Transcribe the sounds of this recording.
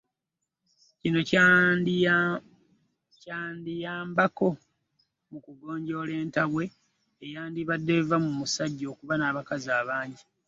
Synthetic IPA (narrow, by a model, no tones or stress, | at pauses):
cino̞ | caːndijaːmbako̞ | mukuɡo̞ːɲɟo̞ːle̞ːntaβwe̞ | ejaːndiβadːevamumusaɟːo̞ːkuβanaːβakaziaːβaːɲɟi